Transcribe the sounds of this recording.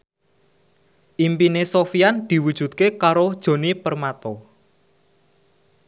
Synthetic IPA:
ʔimpinesofiand̪̥i̤wud̥ʒ̥ṳt̪̚kekaɾod̥ʒ̥o̤nipərmat̪ɔ

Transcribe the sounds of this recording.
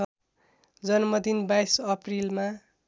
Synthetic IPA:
ʌ | d͡zʌnmʌd̪inbajsʌprilma

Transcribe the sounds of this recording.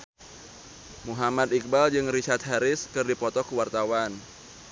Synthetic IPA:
muɦamat̪ik̚bald͡ʒɨŋrit͡ʃart̪̚ɦaɾɪskɨrdipɔt̪ɔkəwart̪awan

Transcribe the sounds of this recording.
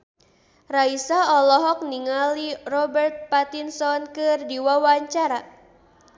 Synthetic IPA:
raisaɔlɔɦɔk̚niŋalirɔbɛrt̪̚pat̪insɔnkɨrdiwawaɲt͡ʃaɾa

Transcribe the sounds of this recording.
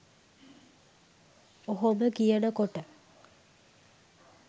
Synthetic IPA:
oɦoməkijənəkoʈə

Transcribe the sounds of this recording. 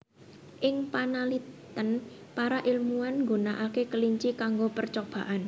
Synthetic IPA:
ʔɪŋpanalit̪ən | paɾaʔilmuanŋɡonaʔakekəliɲt͡ʃikaŋɡopərt͡ʃob̥a̤ʔan

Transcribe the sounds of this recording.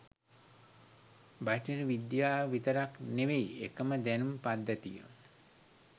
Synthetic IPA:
baʈiɾʋid̪jaːʋit̪əɾakneʋejekəməd̪ænumpad̪ːət̪ijə̰

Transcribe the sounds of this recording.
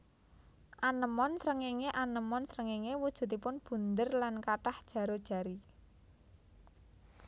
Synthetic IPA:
ʔanəmɔnsɾəŋeŋeʔanəmɔnsɾəŋeŋewud̥ʒ̥ṳt̪̬ipʊnb̥ṳnd̪ərlankaʈahd̥ʒ̥ä̤ɾod̥ʒ̥ä̤ɾi

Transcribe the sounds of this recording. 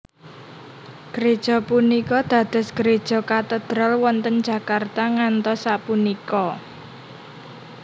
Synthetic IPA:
ɡ̥əɾed̥ʒ̥ɔ̤punikɔd̪̥ä̤d̪̥ə̤sɡ̥əɾed̥ʒ̥ɔ̤kat̪əd̪̥ɾalwɔnt̪əndd͡ʒʒ̥ä̤kart̪aŋant̪ɔsapunikɔ

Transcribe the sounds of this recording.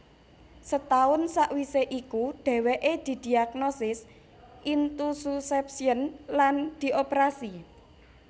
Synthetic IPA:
sət̪aʊnsaʔwiseʔikuɖ̪̥ɛ̤weʔed̪̥i̤d̪̥i̤ak̚nosɪs | ʔint̪ususɛp̚siənland̪̥i̤ʔopɾasi

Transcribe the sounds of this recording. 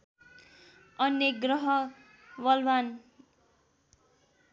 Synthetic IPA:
ʌnːeɡrʌɦʌ | bʌlban

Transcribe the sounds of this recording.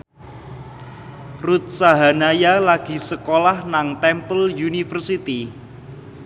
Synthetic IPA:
rut̪̚saɦanajalaɡ̥i̤səkolahnaŋt̪ɛmpəljunifərsit̪i

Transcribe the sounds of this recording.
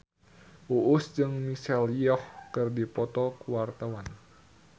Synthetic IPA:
ʔuʔusd͡ʒɨŋmisɛliɔhkɨrdipɔt̪ɔkuwart̪awan

